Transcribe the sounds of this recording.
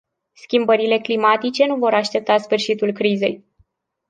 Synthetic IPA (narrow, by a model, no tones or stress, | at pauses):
skʲimbəɾile̞klimat̪it͡ʃe̞nuvo̞ɾaʃt̪e̞p̚t̪asfɨrʃit̪ulkɾize̞j